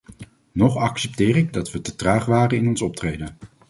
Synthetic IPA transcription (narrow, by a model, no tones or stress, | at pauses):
nɔχɑksɛp̚tɪːrɪɡ̚dɑtʋətətraːχʋaːrənɪnɔnsɔp̚trejdən